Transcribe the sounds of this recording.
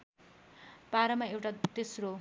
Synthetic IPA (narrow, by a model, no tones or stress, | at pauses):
paɾʌmaewʈat̪esro